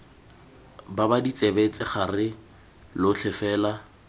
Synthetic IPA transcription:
babadit͡sʼebet͡sʼɪχarɪ | lʊt͡ɬʰɛfɛːla

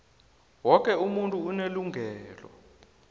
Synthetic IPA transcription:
wɔk̬ʼɛumuntʼuːneluŋʱɛːlɔ̰

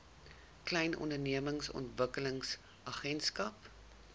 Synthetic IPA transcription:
klɛjnɔ̰ndərniəməŋsɔ̰ntvəkələŋs | ʔɐχɛnskɐp

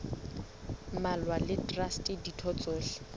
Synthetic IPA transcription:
malwalɪtʼrastʼɪditʰɔt͡sʼoːɬɪ̥

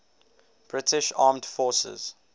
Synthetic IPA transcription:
b̥ɹɪtʰɪʃɑːmd̥fɔːsə̰z̥

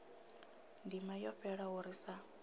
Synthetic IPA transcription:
ndimajɔɸɛɺaɦuɾisa

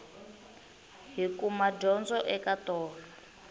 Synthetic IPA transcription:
ɦikumad͡ʒɔnd͡zɔʔɛkatɔːla

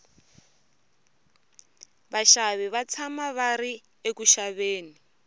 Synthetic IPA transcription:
βaʃaβiβat͡sʰamaβaɾi | ekuʃaβeːni

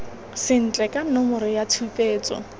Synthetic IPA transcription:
sɪn̩t͡ɬʼɛkʼanʊmʊɾɪjatʰupʼeːt͡sʼɔ̰

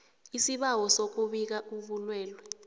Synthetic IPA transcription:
isiɓawɔsok̬uɓik̬auɓulwɛːlwɛ

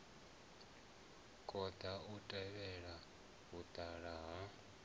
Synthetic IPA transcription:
kʼɔd̥ʱautʼɛβɛɺa | ɦud̥ʱʼaɺaɦa

